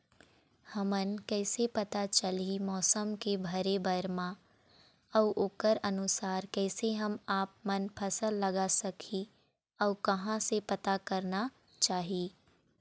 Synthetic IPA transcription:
hɐmənkɛːsepɐt̪at͡ʃəlimɔːsəmkebʱəɾebɐɾmã | ɔːʔoːkəɾɐnʊsaːɾkɛːseɦɐmaːp̚mɐnpʰɐsəlːɐɡasɐkʰi | ɔːkɐɦãsepɐt̪akɐɾna | t͡ʃaːɦiː

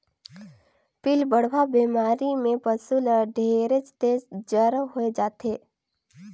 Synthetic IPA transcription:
pɪlbəɽʋabiːmaːɾimẽpəsuləɖʱeːɾət͡ʃt̪eːzd͡ʒəɾɦoed͡ʒaːt̪eː

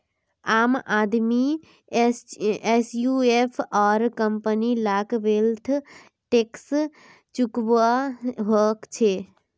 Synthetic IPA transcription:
aːmad̪mi | esjuepʰɔɾkəmpənilakʋelt̪ʰ | ʈeks | t͡ʃukbaɦokt͡ʃʰe

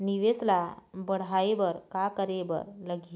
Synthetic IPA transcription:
niʋeslabəɽ̤ɦaeʋəɾkakəɾebə̰ɾləɡi

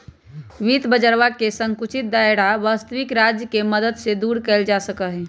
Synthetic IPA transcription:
ʋit̪bəd͡ʒəɾʋakesəŋkut͡ʃʰit̪̚d̪ajɽaʋaːst̪əwikɾad͡ʒjəkeməd̪əd̪sed̪uɾkɛːld͡ʒasəkəɦɛ

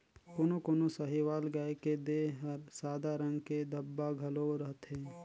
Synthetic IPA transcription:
koːnokoːnosəɦiʋaːlɡaeked̪eɦəɾsaːd̪aɾə̃ŋɡked̪ʱɐbːaɡʱɐloɾəɦt̪ɦẽː

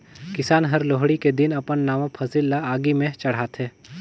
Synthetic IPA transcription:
kɪsaːnɦɐɾloːɦɽiked̪ɪnɐpənːaːʋãpʰɐsilːaaːɡimẽt͡ʃɐɽ̤aːt̪ɦɛː

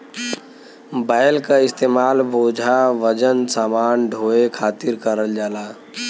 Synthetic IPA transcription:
baːɪlkaɪst̪eːmaːlbʱoːd͡ʒʱaʋəd͡ʒənsaːmaːnɖʱoːekʰaːt̪ɪɾkəɾəld͡ʒaːlaː

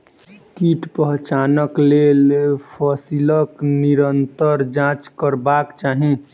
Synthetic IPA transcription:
kiʈpəɦt͡ʃaːnəklelpʰɔsiləkniɾənt̪əɾd͡ʒãt͡ʃkəɾbakt͡ʃaːɦĩ

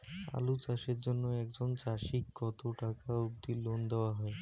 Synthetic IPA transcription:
a̰lut͡ɕaʃeɾd͡ʑonːoɛkd͡ʑont͡ɕaʃikːɔt̪oʈakauɡ̚d̪ilond̪eoaɦɔe

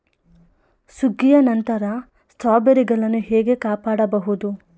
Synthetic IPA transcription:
suɡːijɐnɐnt̪ɐɾɐ | st̪ʰaːbɐɾiɡɐɭɐnːuɦɛːɡe̞kaːpaːɽɐbɐɦud̪u

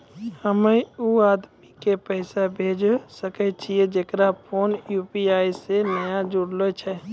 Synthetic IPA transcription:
həmeuaːd̪mikepəɪsabʱeːd͡ʒsəkɛt͡ʃʰied͡ʒekɾapʰoːnjuːpiaːisenəjad͡ʒuɽlot͡ʃʰɛ

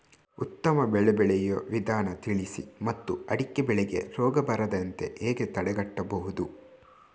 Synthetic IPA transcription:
ut̪ːɐmɐbɛɭɛbɛɭɛjɐʋid̪aːnɐt̪iɭisḭmɐt̪ːuɐɽikːebɛɭɛɡe̞̰ɾɔːɡɐbɐɾɐd̪ɐnt̪e̞̰ʔeːɡe̞t̪ɐɽɛɡɐʈːɐbɐɦud̪u

